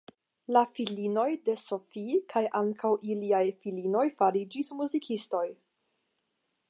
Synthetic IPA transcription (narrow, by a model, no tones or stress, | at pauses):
lafilino̞jde̞so̞fikʰajʔaŋkʰawʔiliajfilino̞jfaɾid͡ʒismuzikʰisto̞j